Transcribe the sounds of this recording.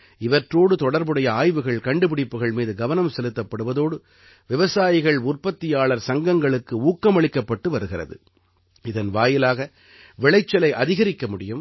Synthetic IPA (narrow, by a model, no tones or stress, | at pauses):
ɪʋɐʈroːɽɯt̪ɔɽɐɾbɯɽɐjɐaːjʋɯɣɐɭkɐɳɖɯpɪɽɪpːɯɣɐɭmiːðɯɡɐʋɐnɐmsɛlɯt̪ːɐpːɐɽɯʋɐðoːɽɯ | ʋɪʋɐsaːjɪɣɐɭʊrpɐt̪ːɪjaːɭɐɾsɐŋɡɐŋɡɐɭɯkːɯuːkːɐmɐɭɪkːɐpːɐʈːɯʋɐɾɯɣɪrɐ̰ðɯ̰ | ɪðɐnʋaːjɪlaːɣɐ | ʋɪɭɐɪt͡ʃːɐlɐɪʔɐðɪɣɐɾɪkːɐmʊɽɪjɯm